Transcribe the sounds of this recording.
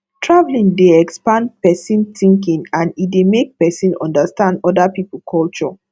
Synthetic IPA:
tʰɹavlĩŋdeɛkspãnpɛsĩntĩŋkĩŋãnidemek̚pɛsĩnɔ̰̃ndastãndɔdapipl̩kʰɔlt͡ʃɔ

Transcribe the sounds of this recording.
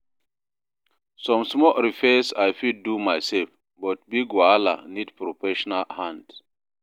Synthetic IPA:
sɔ̃msmɔlɾifɛsajfidːumajsɛlf | bɔt̚biɡwala̰nidpɾofɛʃɔnalhãnd

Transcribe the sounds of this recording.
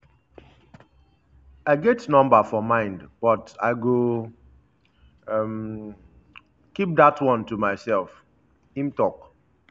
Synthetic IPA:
aɪɡɛtnɔ̃mbəfɔmãɪ̃ndb̥ɔtaɪɡo | m | kip̚datwɔ̃ntumaɪsɛlˠf | hĩmtɔk

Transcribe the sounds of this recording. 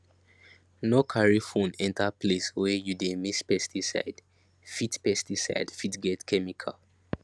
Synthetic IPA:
nokʰaɹifũnɛ̃ntapleswɛjudemispɛstisa̰ɪd̥ | fitpɛstisa̰ɪdfitɡɛtkʰɛmikʰa̰l

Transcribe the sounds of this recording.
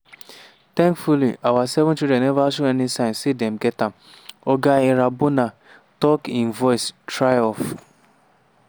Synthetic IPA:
t̪ɛ̃ŋkfulḭʔawasɛvʊ̃nt͡ʃidɛ̃nɛvasuɛnisãɪ̃nsedɛmɡɛtam | oɡaeɾabʊna | tɔkĩnvɔɪstɾajɔ̃f

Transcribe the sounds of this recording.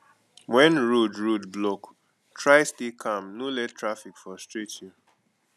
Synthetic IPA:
wɛ̃nɹudɹudblok | tʰɹaɪstikʰãmnulɛttʰːɹafikfɔstɹitu

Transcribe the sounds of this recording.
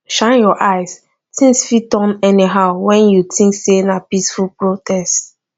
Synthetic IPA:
ʃãɪ̃njɔʔaɪs | tʰĩŋsfitɔ̃nɛniɦaʊwɛ̃njutʰĩŋksenapisfulpɹotʰɛst

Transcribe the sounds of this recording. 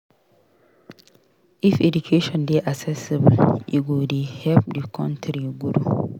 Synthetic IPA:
ifedukʰeʃɔ̃ndeʔaksɛsibljḭɡodihɛp̚dikʰɔ̃ntʰɾiɡuɾu

